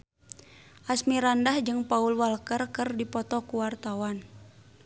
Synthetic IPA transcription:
ʔasmiɾandahd͡ʒɨŋpaulwalkərkɨrdipɔt̪ɔkuwart̪awan

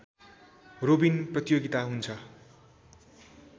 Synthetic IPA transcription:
robinprʌt̪joɡit̪aɦunt͡sʰʌ

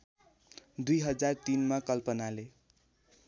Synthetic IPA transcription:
d̪ujɦʌd͡zart̪inmakʌlpʌnale

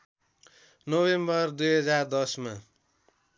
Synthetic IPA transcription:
nobembʌrd̪ujɦʌd͡zard̪ʌsma

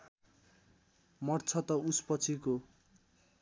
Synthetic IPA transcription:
mʌrt͡sʰʌt̪ʌuspʌt͡sʰiko

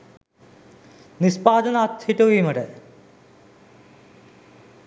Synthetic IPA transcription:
nispaːd̪ɐnat̪ʰːiʈoʋimɐʈe

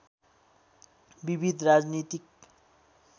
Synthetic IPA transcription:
bibʱid̪rad͡znit̪ik

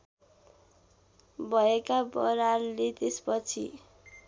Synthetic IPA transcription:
bʱʌekabʌɾarlet̪espʌt͡sʰḭ

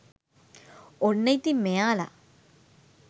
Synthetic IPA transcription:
onːɐjt̪ːimejaːla̰

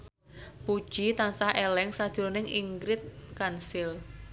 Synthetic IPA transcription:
pud̥ʒ̥it̪ansahelɛŋsad̥ʒ̥uɾonɪŋiŋɡɾɪt̪̚kansɪl

